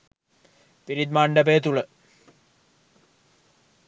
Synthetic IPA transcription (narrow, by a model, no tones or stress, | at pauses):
piɾid̪maɳɖɐbeːt̪uɭə